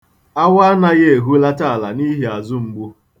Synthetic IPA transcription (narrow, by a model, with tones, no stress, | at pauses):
a˦wa˦na˦ɣe˦e˨ɦu˦la˦ta˦˨a˨la̰˨ni˦ɦi˨a˨zʊ˦ŋ͡m̩˦ɡ͡bu˦